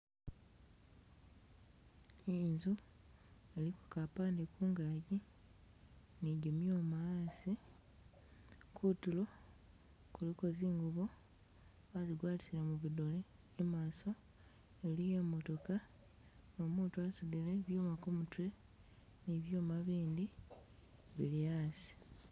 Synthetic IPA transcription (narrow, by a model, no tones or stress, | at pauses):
inzu | e̞liko̥kapaːndikuːŋɡaːɟi | niɟumjoːmaaːsi | kʰutulo̞ | kuliko̞ziːŋɡuβo | aziɡwaːlisilamuβidole | emaːso̞ | e̞lije̞mo̞to̞ka | no̞muːtuasuβile̞βjuːmakomutwe̞ | niβjo̞ːmaβiːndi | βilijaːsi̥